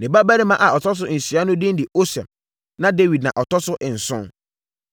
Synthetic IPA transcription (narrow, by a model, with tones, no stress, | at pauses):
nɪ̃˨ba˦ba˦ɾi˦mã˦ʔa˨ɔ˨tʰɔ˦s̬ʊ˦n̩˨si˨a˦nʊ̃˦dɪ̃˦n˦dɪ˨o˦sɛ̰˨m | nã˦de˦wi˨d̚nã˨ʔɔ˨tɔ˦sʊ˦ʔɪ˨n̩˨sʊ̃˦